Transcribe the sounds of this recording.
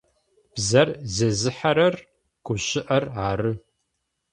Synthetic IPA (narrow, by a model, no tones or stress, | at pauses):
b̥zɐrzɐzɨħɐɾɐr | ɡ̥ʷʊɕɪʔɐraːɾɨ